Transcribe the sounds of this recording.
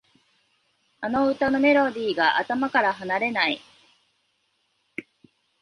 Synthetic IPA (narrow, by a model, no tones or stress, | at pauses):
ano̞ɯ̟t̪ano̞me̞ɾo̞d̪ʲiːɡaʔa̰t̪amakaɾaɦanaɾe̞nai